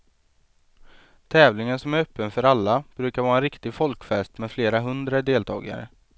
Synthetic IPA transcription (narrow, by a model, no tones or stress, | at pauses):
t̪ʰɛːvlɪŋənsɔmæɾœpːənfœɾalːab̥ɾʉ̟ːkaɾvɑːɾɛnɾɪkt̪ɪɡfɔlkfɛst̪mɛfleːɾaɦɵnd̪ɾad̪eːlt̪ʰɑ̰ːɡa̰ɾə̰